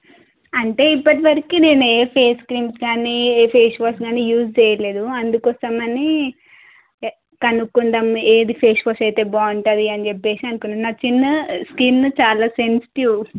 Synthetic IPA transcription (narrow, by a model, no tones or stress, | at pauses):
ɐɳʈe̞ːipːɐʈiʋɐɾikine̞ːnueːpʰeːskɾiːmsɡaːnipʰeːʂʋɐsɡaːnijuːst͡ʃɛːjɐle̞ːd̪uɐnd̪ukɔːsɐmɐni | kɐnukːund̪ɐmeːd̪ipʰeːʂʋɐːsɐjt̪e̞ːbaːuɳʈɐd̪iɐnid͡ʒepːe̞ːsiɐnukunːanaːt͡ʃinːɐskint͡ʃaːlaːsensi̥ʈiw